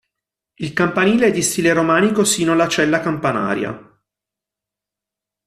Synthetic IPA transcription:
ilkampaniːleɛd̪ːist̪iːleɾomaːnikosiːnoalːat͡ʃɛlːakampana̰ːɾja̰

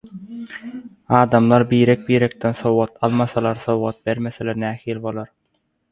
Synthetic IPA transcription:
ɑːd̪ɑmlˠɑɾbiːɾɛk̚biːɾek̚t̪ensowʁɑt̪ɑlˠmɑsɑlˠɑɾsowʁɑt̪̚beɾmeselʲeɾnæːhiːlʲbo̞lˠɑɾ

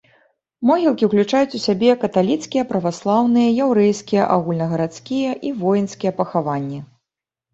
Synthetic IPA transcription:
mɔɣʲilˠkʲiwklʲut͡ʂajut͡sʲusʲabʲɛkɐt̪alʲit̪skʲijɐpɾɐvaslˠawnɨjɐjawɾɛjskʲijɐ̰ʔaɣulʲnɐɣɐɾat̪skʲijɐʔivɔjnskʲijɐpɐxavanʲːɛ

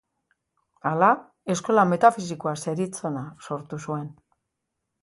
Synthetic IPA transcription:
ala | e̞sko̞lame̞t̪afis̬ikoase̞ɾit͡so̞naso̞ɾt̪usue̞n

